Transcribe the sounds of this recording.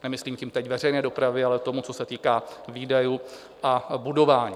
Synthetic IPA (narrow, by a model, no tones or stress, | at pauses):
nɛmɪsliːmcimt̪ɛcvɛr̝ɛjnɛːdo̞pɾavɪalɛt̪o̞mut͡so̞sɛt̪iːkaːviːdaju | ʔabudo̞vaːɲiː